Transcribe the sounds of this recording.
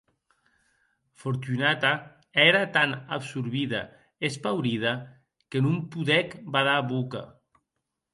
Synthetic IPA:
foɾt̪unat̪a | ɛɾat̪anabsuɾβiða̰ | espawɾiða | kenumpuðɛkbaðaβuka̰

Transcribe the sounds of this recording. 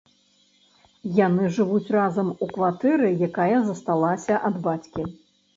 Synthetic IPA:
janɨʐɨvut͡sʲrazɐmukvat̪ɛɾɨjakajɐzɐst̪alˠasʲɐʔɐd̪bat͡sʲkʲi

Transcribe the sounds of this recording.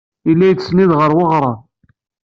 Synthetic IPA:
ilːæjt͡sːsniðʁəɾˤwəʁɾˤɑ

